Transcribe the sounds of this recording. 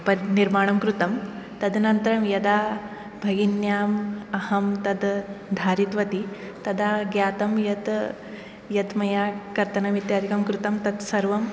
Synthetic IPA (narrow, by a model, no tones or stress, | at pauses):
pɐɾniɾmaːɳ̃ɐmkɾut̪ɐmt̪ɐd̪nɐnt̪ɾɐmjɐd̪aː | bʱɐɡinjaːmɐhɐmt̪ɐd̪d̪ʱaːɾit̪ʋɐt̪i | t̪ɐd̪aːɡjaːt̪ɐmjɐt̪ | jɐd̪mɐjaːkɐɾt̪ɐnɐʋit̪jaːd̪ʱikɐmkɾut̪ɐmt̪ɐt̪sɐɾʋɐm